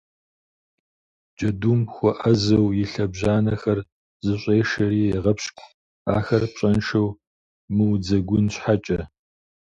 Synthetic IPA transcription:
d͡ʒɐdumxʷɔʔɐzɐwjɪɬɐbʑaːnɐxɐr | zɨɕʷʼeːʂɐɾiːjɛʁɐpɕkʷʰʼ | aːxɐrpɕʼɐnʂɐw | mɨwd͡zɐɡʷʊnɕħat͡ʃʼɐ

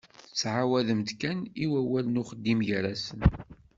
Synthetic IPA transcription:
θət͡sːʕawæðəmt̪kæniwæwælənʊχəd̪ːimjɾæsən

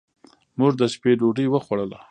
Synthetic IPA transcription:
muʐd̪əspeɖoɖəwəxwaɽəla

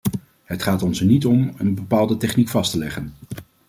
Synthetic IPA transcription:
ɦətχaːtɔnsənitɔmənbəpaːlˠdətɛχnikfɑstəlɛχən

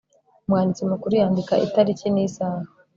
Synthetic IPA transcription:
umwaːndit͡simukuɾujaːndikaʔḭtaɾicinisaːha

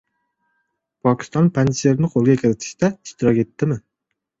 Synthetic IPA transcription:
pʰɒkʲʰɪ̥st̪ɒnpʰanseɾnɪqʰolˠɡʲakʲʰɪɾɪt̪ʰɪ̥ʃt̪aɪʃt̪ʰɪɾɒkʲe̞t̪ʰːɪmɪ

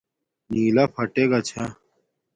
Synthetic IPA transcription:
niːlapʰɐʈeɡat͡ɕʰa

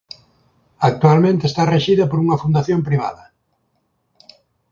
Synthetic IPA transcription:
ak̚t̪ualmẽnt̪eːst̪areʃiðɐpoɾuŋɐfund̪aθjompɾiβ̞a̰ðɐ

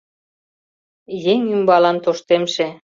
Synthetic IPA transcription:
jeŋymbɑlɑnt̪oʃt̪emʃe

